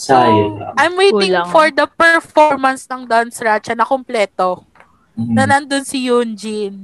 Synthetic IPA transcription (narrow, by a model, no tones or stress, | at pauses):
sajʔajmwejtɪ̃ŋfɔɹd̪ɐpɛɹfɔɹmɐnsnɐŋd̪ɐnsɾat͡ʃɐnɐkomplɛːt̪o | nɐnɐnd̪onsɪjund͡ʒin